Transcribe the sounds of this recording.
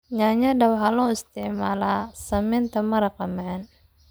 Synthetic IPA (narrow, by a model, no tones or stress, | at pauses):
ɲaɲadawɦalɔust̪imalasəmint̪əmaɾakamaɛn